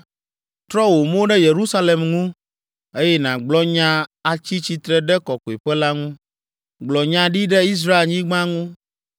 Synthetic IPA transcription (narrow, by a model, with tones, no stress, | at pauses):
t̪ɾɔ˦wo˨mõ˦ɖɛ˦je˨ɾu˦sa˦le˨mŋũ˦ | e˦jɛ˦nã˨ɡ͡blɔ˦ɲã˦a˨t͡ɕi˦t͡ɕi˦t̪ɾɛ˦ɖɛ˦kɔ˨ko˨e˨ɸɛ˦la˦ŋũ˦ | ɡ͡blɔ˨ɲã˨ɖi˦ɖɛ˦i˦s̬ɾa˦e˨lɲĩ˦ɡ͡bã˦ŋũ˦